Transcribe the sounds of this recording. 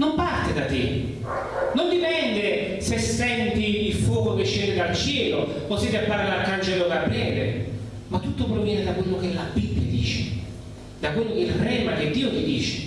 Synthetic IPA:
nompart̪ɪd̪at̪ɪ | nond̪ipɛnd̪ɪ | sesɛnt̪iilfwɔːkoket͡ʃːeːnɪd̪alt͡ʃjɛːlo | osit̪apːarlaakːant͡ʃeɾokapɾjɛːd̪ɪ | mat̪ːut̪ːopɾɔvjɛːnɪd̪akwelːok̟elabibːjad̪ḭːt͡ʃɪ̰ | d̪akwelːokeilrɛmak̟ɪd̪ːiːot̪id̪iːt͡ʃɪ̥

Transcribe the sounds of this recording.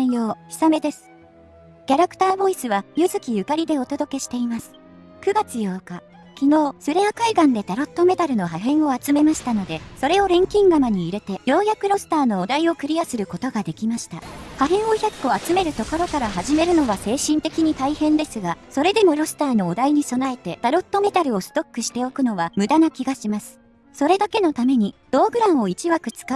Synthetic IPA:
joːçʲi̥same̞d̪e̞sɨ̥ | kʲaɾakt̪aːbo̞isɨβajɯzɨkʲijɯ̟kaɾʲid̪e̞o̞t̪o̞d̪o̞ke̞ɕi̥t̪e̞imasɨ̥ | kɯ̟ɡat͡sɨjo̞ːka | kʲino̞ːsɨɾeakaiɡãnd̪e̞t̪aɾo̞t̪ːo̞me̞t̪aɾɯ̟no̞ɦaɦẽ̞ɰ̃o̞at͡sɨme̞maɕi̥t̪ano̞d̪e̞so̞ɾe̞o̞ɾẽ̞ŋkʲĩŋɡamaɲ̟iːɾe̞t̪ejo̞ːjakɯ̟ɾo̞sɨ̥t̪aːno̞ːd̪aio̞kɯ̟ɾʲijasɨɾɯ̟ko̞t̪o̞ɡad̪e̞kʲimaɕi̥t̪a̰haɦẽ̞ɰ̃o̞çʲakɯo̞at͡sɨme̞ɾɯ̟t̪o̞ko̞ɾo̞kaɾaɦaʑime̞ɾɯ̟no̞βase̞ːɕĩnt̪e̞kʲiɲ̟it̪aihẽ̞nd̪e̞sɨɡaso̞ɾe̞d̪e̞mo̞ɾo̞sɨ̥t̪aːno̞ːd̪aiɲ̟iso̞nae̞t̪e̞d̪̥aɾo̞t̪ːo̞me̞t̪aɾɯ̟o̞sɨ̥t̪o̞kːɯ̟ɕi̥t̪e̞o̞kɯ̟no̞βamɯ̟d̪anakʲiɡaɕimasɨ̥ | so̞ɾe̞d̪ake̞no̞t̪ame̞ɲ̟id̪̥o̞ːɡɯ̟ɾãɰ̃o̞it͡ɕiβakɯ̟t͡sɨ̥ka

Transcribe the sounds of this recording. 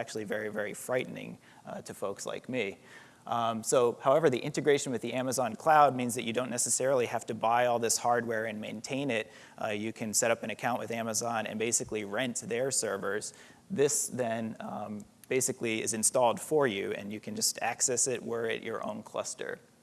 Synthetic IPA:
æk̚t͡ʃʉl̩ˠivɛɹivɛɹifɹaɪʔn̩ɪ̰̃ŋ | tʰɨfoʊksla̰ɪk̚mi | soʊhaʊɛvə˞ðiʔɪ̃ntɨɡɹeɪʃn̩wɨðiʔæməzɑ̃nkʰl̥aʊd̚mĩnzðɨt͡ʃɨdõʊ̃nːɛsɨsɛɹl̩ˠihæftɨbaɪɔlˠðɪshɑɹd̚wɛɹɨ̃nmẽɪ̃ntʰẽɪ̃nɪt̚ | jɨkʰɨ̃nsɛɾʌpɨ̃ñɨkʰãʊ̃nʔwɨðæməzɑ̃nɨ̰̃nbeɪsɨkliɹɛ̃ntðə˞sɜ˞və˞z̥ | ðɪsðɨ̃n | b̥eɪsɨkliɪ̰zɨ̃nstɔlˠd̥fə˞jʉɨ̰̃njɨkʰɨ̃nd͡ʒʌstæ̰ksɛsɪt̚wə˞ɪ̰t͡ʃə̰˞ʔõ̰ʊ̃nkʰl̥ʌ̰stə̰˞

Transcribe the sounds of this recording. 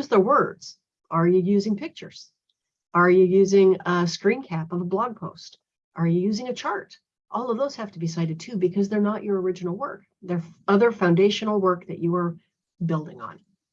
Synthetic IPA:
ʌzðəwɜ˞dz̥ | ʔə˞jɨjʉzɪ̃ŋpʰɪk̚t͡ʃə˞z̥ | ʔə˞jɨjʉzɪ̃ŋəskɹĩnkʰæpʌvəblɑɡ̚pʰoʊst | ʔə˞jɨjʉzɪ̃ŋɨt͡ʃʰɑɹɾ | ʔɔlˠʌvðoʊz̥hæftəbis̬aɪɾɨd̚tʰʉbɨkʰʌzðə˞nət͡ʃə˞ə˞ɪd͡ʒɨn̩l̩ˠwɜ˞k̚ðə˞ʌðə˞fãʊ̃ndeɪʃɨnl̩ˠwɜ˞k̚ðɨ̰t͡ʃɨə˞ | bɪlˠdɪ̰̃ŋə̰̃n

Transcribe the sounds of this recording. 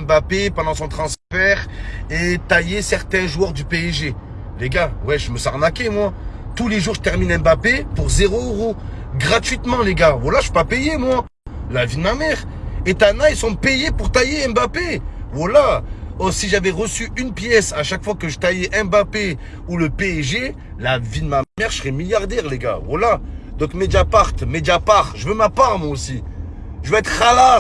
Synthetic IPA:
ɛbapepɑ̃d̪ɑ̃sɔ̃t̪χɑ̃sfɛʁet̪ajesɛʁt̪ɛ̃ʒuœʁd̪ypeɛʒe | leɡawɛʒəməsaʁnakʲemwa | t̪uleʒuʁʒət̪ɛʁminɛ̃bapepuʁzeʁoøʁo | ɡʁat̪ɥit̪mɑ̃leɡavwalaʒəfi̥papejemwa | lavid̪əmamɛʁ | et̪anailsɔ̃pejepuʁt̪ajeɛmbapevwalaɔsiʒavɛʁəsyynpjɛsaʃakfwakəʒət̪ajɛʔɛmbape | uləpeɛʒe | lavid̪əmamɛʁsəʁɛmiljaʁd̪ɛʁleɡa̰vwalad̪ɔ̃kmed̪apaʁt̪med̪apaʁʒəvømapaʁmwaosi | ʒəvøɛt̪χala

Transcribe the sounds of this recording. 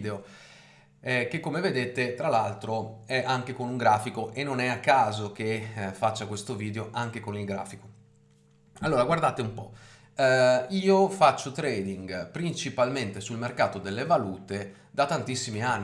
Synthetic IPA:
d̪eo | ɛkekːomeved̪eːt̪et̪ɾalalt̪ɾoɛʔaŋk̟ekonuŋɡɾaːfikoʔenːonɛakːaːzok̟efat͡ʃːakwest̪oviːd̪eoʔaŋk̟ekonilɡɾa̰ːfiko̥ | alːoːɾaɡward̪aːt̪eumpɔ | iːofat͡ʃːot̪ɾɛːd̪iŋɡpɾint͡ʃipalment̪esulmerkaːt̪od̪elːevaluːt̪e | d̪at̪ant̪isːimianːi

